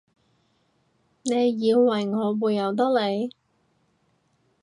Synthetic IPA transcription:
ne˨˧jjiː˨˧wːɐ˨˩jŋɔː˨˧wuː˨jːɐ˨˩wt̪̬ɔ˥le˨˧j

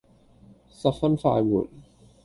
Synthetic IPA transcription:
sɐ˨p̚fɐ˥nfa̰ː˧jwṵː˨˩n̚

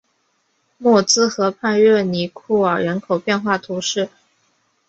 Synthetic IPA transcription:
mwɔ˥˩t͡sɹ̩˥xɤ˧˥pʰa˥˧nɥɛ˥˩ni˧˩kʰu˥˩ə˞˨˩ɻə˧˥nkʰo˨˩ʊpjɛ˥˧nxwa˥˩t̪ʰu˧˥ʂɻ̩˥˩

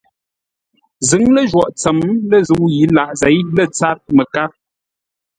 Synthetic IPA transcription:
zɨ˨˦ŋlə˦ʒwɔ˨ʔt͡sə˨mlə˦˨zu˨˦wji˨˦la˨ʔzɛ˨˦jlə˦t͡sa˦t̚mə˨ka˦

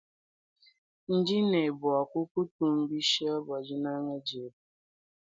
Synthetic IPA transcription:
n̩˦d͡ʒi˦ne˨bʊ˨a˨kʷʊ˦ku˦tu˦m̩˦bi˦ʃi˦ɔ˦ba˨d͡ʒi˦na˦ŋʷe˦d͡ʒi˨˦b

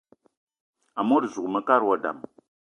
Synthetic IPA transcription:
a˨mo˦ɾzu˨mə˦ka˦ɾwɔ˦da̰˨m

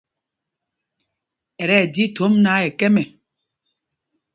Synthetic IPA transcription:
ɛ˨ɾɛ˦˨di˨˦tʰo˨˦mna˨˦ɛ˨kɛ˦mɛ˨

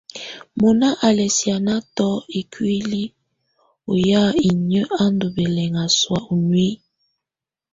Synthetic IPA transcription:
mo˨na˦ʔa˨lɛ˨si˨a˨na˦tɔ˦e˨kʰwi˦li˦ | o˨ja˦i˨ɲə˦ʔa˦ndo˨bɛ˨lɛ˨ŋa˨swa˨ʔo˨nwi˦

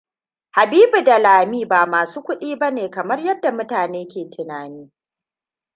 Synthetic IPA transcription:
ha˨biː˦bu˨da˨laː˨miː˦ba˨maː˨suː˦kʷʊ˦ɗiː˦bɐ˦neː˨kɐ˨mɐ˦rjɐ˦dːa˨mʊ˦taː˨neː˦kʲeː˨tʰɪ˨naː˨niː˦

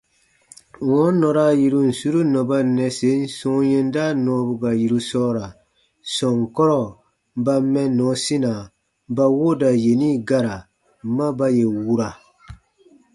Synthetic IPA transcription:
wɔ˦nɔ˨ɾa˦ji˨ɾu˦n̩˨su˦ɾu˦nɔ˨ba˦nɛ˨se˨˦n̩˦sɔ̃˦jɛ˦n˦da˦nɔ̃˨˦bu˨ɡa˨ji˨ɾu˦sɔː˦ɾa˨ | sɔ̃˨ŋkɔ˦ɾɔ˦˨ | ba˧mɛ˦nɔ̃˨˦si˦na˨ | ba˦wo˦da˨je˨ni˦ɡa˦ɾa˨ | mã˦ba˦je˨wu˦ɾa˨

